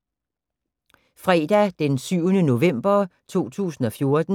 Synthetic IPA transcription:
fʁɛ̰ːd̥æd̥ensyʊnəno̝ʋem̰b̥ɐt͡sʰo̝̰ːt͡sʰṵːsn̩ɒ̽fjo̝ɐd̥n̩

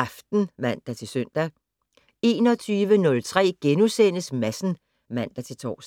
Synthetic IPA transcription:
ɑ̈fd̥n̩ʋæn̰d̥ɑ̈t͡sʰe̝lsœn̰d̥æ | e̝ːnɒ̽t͡sʰyːʋənɔ̽lt͡sʰʁɛ̰ːɡ̥enusenəsmæsn̩ | ʋæn̰d̥ɑt͡sʰe̝lt͡sʰɒ̰ːs

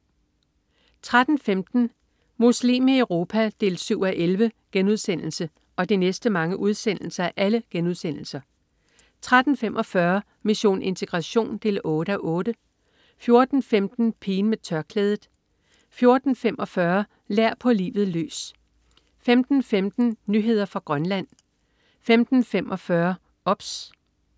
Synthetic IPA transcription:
t͡sʰʁad̥n̩femd̥n̩ | muslḭmiəʊʁo̝ːpʰæd̥e̝̰ːlsyʊ̰æʔelʋəɡ̥enuð̞ˠsen̰l̩sə | ɒ̽d̥inesd̥əmɑ̈ŋəʔuð̞ˠsen̰l̩sɐæʔæləɡ̥enuð̞ˠsen̰l̩sɐ | t͡sʰʁad̥n̩femʔɒ̽fɶɐ | miɕo̝̰ːnʔe̝nt͡sʰe̝ɡ̥ʁɑ̈ɕo̝̰ːnd̥e̝̰ːlɔ̽ːɾ̥əæʔɔ̽ːɾ̥ə | fjo̝ɐd̥n̩femd̥n̩pʰiːnmet͡sʰɶɐkʰlɛːð̞ˠð̩ˠ | fjo̝ɐd̥n̩femɒ̽fɶɐ | leɐ̰pʰɒ̽lḭːʋð̞̩ˠly̰ːs | femd̥n̩femd̥n̩nyɦe̝ð̞̰ˠɐfʁɑ̈ɡ̥ʁɶnlæn̰ | femd̥n̩femʔɒ̽fɶɐ | ɒ̽b̥s

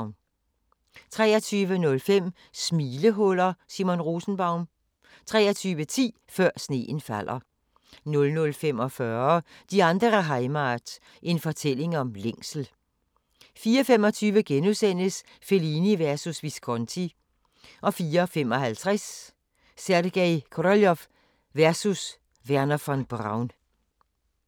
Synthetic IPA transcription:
ʊn | t͡sʰʁɛ̰ːɐt͡sʰyːʋənɔ̽lfem̰ | smiːləɦɔl̰ɐsimo̝nʁo̝ːsn̩b̥ɑ̈ʊn | t͡sʰʁɛ̰ːɐt͡sʰyːʋət͡sʰḭː | fɶɐ̰sne̝̰ːn̩fæl̰ɐ | nɔ̽lnɔ̽lfem̰ɒfɶɐ | d̥iɑ̈nd̥ʁɐɐɦɑ̈ɪmɑd̥ | ʔe̝nfɒ̽t͡sʰel̰e̝ŋɒ̽mleŋ̰sl̩ | fiːɐfemɒ̽t͡sʰyːʋəɡ̥enusen̰əs | fe̝liniʋæɐsusʋiskʰɔnt͡sʰi | ʔɒ̽fiːɐfemɒ̽ɦælt͡sʰʁɛsː | æɐd̥ɡ̥ɛɪkʰoɾɒljɒf | ʋæɐsus | ʋæɐnɐfɒnb̥ʁɑ̈ʊn

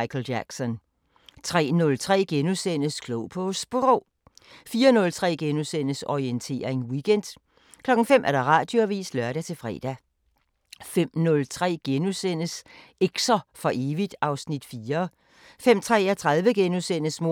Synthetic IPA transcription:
ɪkʰl̩æɡ̥sɒ̽n | t͡sʰʁɛ̰ːnɔ̽lt͡sʰʁɛ̰ːɡ̥enusen̰əskʰloʊpʰosb̥ʁo | fiːɐnɔ̽lt͡sʰʁɛ̰ːɡ̥enusen̰əsɒient͡sʰe̝̰ːɐeŋwiɡ̥ʰen̰d̥ | kʰlɒ̽ɡ̥n̩fem̰ʔæɐɾ̥ɑ̈ʁɑ̈ːd̥joʋḭːslɶɐɾ̥æt͡sʰe̝lfʁɛ̰ːd̥æ | fem̰nɔ̽lt͡sʰʁɛ̰ːɡ̥enusen̰əseɡ̥sɐfɒ̽ʔe̝ːʋid̥ɑ̈ʊsnid̥fiːɐ | fem̰t͡sʰʁɛ̰ːæt͡sʰʁɑðˠʋəɡ̥enusen̰əsmo

